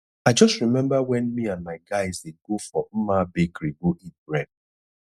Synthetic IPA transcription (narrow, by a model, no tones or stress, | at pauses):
aɪd͡ʒɔstɾimɛ̃mbawɛnmianmaɪɡaɪzeɡofɔm̩mabekɾiɡoʔibɾɛd̚